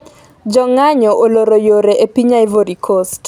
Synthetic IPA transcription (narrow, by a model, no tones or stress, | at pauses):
d͡ʒɔŋaɲɔʔoloɾojoɾeʔepiɲaɪvoɾikʰost